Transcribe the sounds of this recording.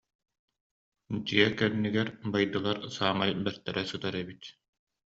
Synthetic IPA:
d̪iɛkɛnːiɡɛɾbajd̪ɯlˠaɾsaːmajbɛɾt̪ɛɾɛsɯt̪aɾɛbit̪

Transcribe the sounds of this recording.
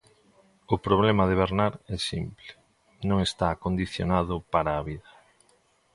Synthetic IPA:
ʊpɾoβlɛmaðeβ̞eɾnaɾɛsimplɪ̥ | nõŋest̪aːkond̪iθjo̰naðʊpaɾaːβiðɐ

